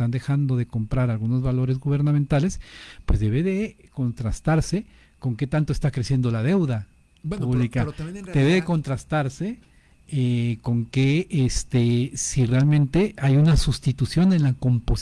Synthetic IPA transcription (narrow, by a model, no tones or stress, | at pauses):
t̪and̪e̞xand̪o̞ðe̞ko̞mpɾaɾalɣuno̞zβalo̞ɾe̞zɣuβe̞ɾnamẽnt̪ale̞spwe̞zðe̞βeðe̞ko̞nt̪ɾast̪aɾse̞ | ko̞ŋke̞t̪ant̪oest̪akɾe̞sje̞nd̪o̞laðe̞wða | puβlikadd̪eβeðeko̞nt̪ɾast̪aɾse̞ | eko̞ŋkeest̪esire̞almẽ̞nt̪e̞ajunasust̪it̪usjo̞ne̞nlako̞mpo̞s